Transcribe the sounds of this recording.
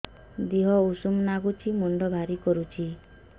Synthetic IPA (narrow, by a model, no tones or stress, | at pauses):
d̪iɦɔusumnaɡut͡ʃʰimɔɳɖɔbʱaɾikɔɾut͡ʃʰi